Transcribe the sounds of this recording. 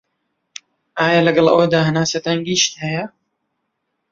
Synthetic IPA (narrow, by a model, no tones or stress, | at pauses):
ʔaːjalɐɡɐlˠʔə̰wɐd̪aːhɐnaːsɐt̪anɡiːʃt̪hɛjɐ